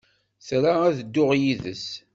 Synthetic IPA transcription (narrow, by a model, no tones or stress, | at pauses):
θɾaæðəd̪ːʊʁjiðə̰s